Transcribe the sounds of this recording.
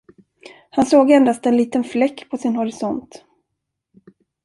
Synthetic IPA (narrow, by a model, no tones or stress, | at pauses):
hansoːɡɛnd̪ast̪ɛnliːt̪ənflɛkːpʰɔsɪnhɔɾɪsɔnt̪